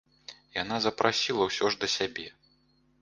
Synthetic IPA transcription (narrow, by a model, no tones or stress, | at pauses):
janazɐpɾasʲilˠɐwsʲɔʐd̪ɐsʲabʲɛ